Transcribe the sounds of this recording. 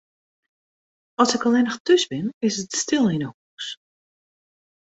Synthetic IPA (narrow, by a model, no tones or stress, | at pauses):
ɔsɪkɔlˠɪnəxtøsbɪnɪsətstɪlˠinəhuːs